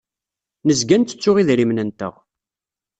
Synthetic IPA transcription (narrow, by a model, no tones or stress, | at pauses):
nəzɡænt̪ə̥t͡sːʊʁiðɾimnənt̪ə̰ʁ